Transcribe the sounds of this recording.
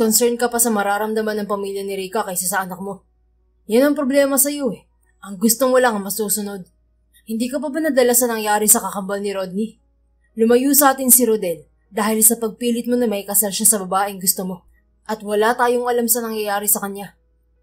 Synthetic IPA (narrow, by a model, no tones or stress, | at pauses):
konsɛɹnkɐpɐsɐmɐɾaːɾɐmd̪ɐmanːɐŋpɐmiljɐnɪɾikɐkɐjsasɐʔɐnɐk̚mo̞ | janɐŋpɾoblɛːmɐsɐjo̞ɛ | ʔɐŋɡʊst̪omolɐŋɐŋmɐsuːsʊno̞d̪̚ | hɪnd̪iːkɐbɐbɐnɐd̪ɐlasɐnɐŋjaːɾɪsɐkɐkɐmbɐlnɪɾod̪̚ni | lʊmɐjuːsɐʔaːt̪ɪnsɪɾod̪ɛl | d̪aːhɪlsɐpɐɡ̚piːlɪt̪̚mo̞nɐmɐkɐsalʃasɐbɐbaːʔɛŋɡʊst̪omo̞ | ʔɐt̪̚wɐlat̪aːjo̞ŋʔɐlamsɐnɐŋjɐjaːɾɪsɐkɐnja